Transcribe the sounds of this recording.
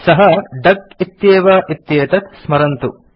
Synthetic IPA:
sɐɦɐɖɐk̚it̪jeːʋɐːʔit̪jeːt̪ɐt̪smɐɾɐnt̪ṵ

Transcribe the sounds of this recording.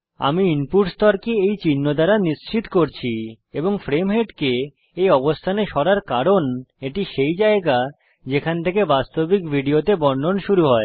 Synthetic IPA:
a̰miimpuʈst̪ɔɾkeejt͡ɕinːod̪aɾanist͡ɕit̪koɾt͡ɕʰi | eboŋfɾemɦeɖke | ejɔbost̪ʰaneʃɔɾaɾkaɾoneʈiʃejd͡ʑaeɡa | d͡ʑekʰant̪ʰekebast̪obikbʱiɖiot̪ebɔɳɖʱonʃuɾuɦɔe

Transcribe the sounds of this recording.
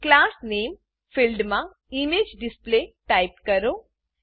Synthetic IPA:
klaːsneːm | pʰilɖmã | imeːd͡ʒɖɪspleʈaɪp̚kəɾoː

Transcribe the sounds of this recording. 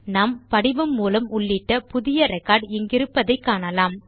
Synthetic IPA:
naːmpɐɽɪʋɯmːuːlɐmʊɭːɪʈːɐpʊðɪjɐɾɐkaːɽɛŋɡɪɾɯpːɐðɐɪkːaːɳɐlaːm

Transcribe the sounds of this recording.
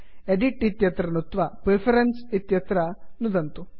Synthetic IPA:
eɖiʈit̪jɐt̪ɾɐnut̪ʋɐpɾepʰɐɾɐnsit̪jɐt̪ɾɐnud̪ɐnt̪u

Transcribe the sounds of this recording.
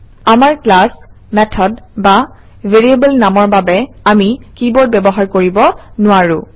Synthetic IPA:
amaɹklas | mɛtʰɔdba | veɹiebəlnamɔɹbabɛ | amikibɔɹt̚bɛbɔɦaɹkoɹibɔnʊwaɹʊ̃

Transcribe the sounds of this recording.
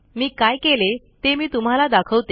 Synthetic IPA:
miːkajkele | t̪emiːt̪um̤alad̪akʰəʋt̪e

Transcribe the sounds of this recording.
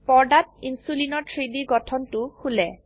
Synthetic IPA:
pɔɹɖat̚insulinɔɹtʰɹidiɡɔtʰɔntʊxʰulɛ

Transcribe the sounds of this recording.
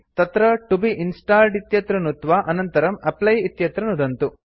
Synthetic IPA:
t̪ɐt̪ɾɐʈubiʔinsʈaːlɖit̪jɐt̪ɾɐnut̪ʋaʔɐnɐnt̪ɐɾɐmɐplɐjit̪jɐt̪ɾɐnud̪ɐnt̪u

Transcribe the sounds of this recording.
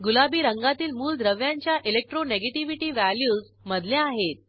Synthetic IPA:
ɡulabiːɾəŋɡat̪iːlmuːld̪ɾəʋjãɲt͡ɕjaʔilek̚ʈɾoneɡeʈiʋiʈiːʋæljuːd͡z | məd̪ʱleaɦet̪̚

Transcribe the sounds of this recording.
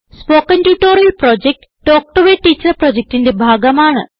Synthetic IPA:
spoːkːɐntuːʈːoːɾijɐlprod͡ʑek̚ʈ | ʈːoːk̚ʈɐʋeʈːiːt͡ɕːɐrproːd͡ʑek̚ʈinde̞bʱaːɡɐmaːɳɨ̰

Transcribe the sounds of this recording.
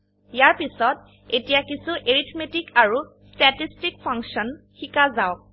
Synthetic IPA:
jaɹpisɔt | etijakisuʔeɹitʰmetikaɹu | stɛtistik̚pʰɔŋksɔn | xikazaʊk̚

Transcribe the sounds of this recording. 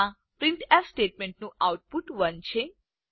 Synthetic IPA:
ã | pɾɪ̃ɳʈɛsʈeʈ̚meɳʈnũʔawʈ̚puʈʋənt͡ʃʰe

